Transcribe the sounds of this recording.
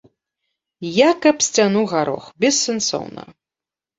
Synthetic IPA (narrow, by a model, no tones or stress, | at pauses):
jakɐpsʲt͡sʲanuɣaɾɔ̰xbʲɛsːɛnsɔ̰wnɐ̰